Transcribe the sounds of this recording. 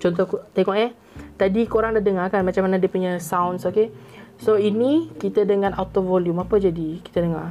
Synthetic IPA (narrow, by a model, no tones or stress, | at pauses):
t͡ʃɔnt̪̬ɔhkt̪eŋɔʔɛh | t̪adikoɾaŋdahdəŋarkanmat͡ʃamːanadiəpuɲəsawnsoke | soinikit̪ədəŋãnawt̪ovɔljumapəd͡ʒadiki̥t̪ədəŋar